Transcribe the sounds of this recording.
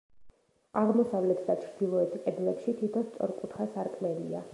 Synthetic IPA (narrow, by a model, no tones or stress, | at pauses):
aʁmɔsavlɛt̪ʰd̪at͡ʃʰɾd̪ilˠɔɛt̪ʰʼɛd̪lɛpʃit̪ʰit̪ʰɔst̪sʼɔɾkʼut̪ʰχasaɾkʼmɛlḭa̰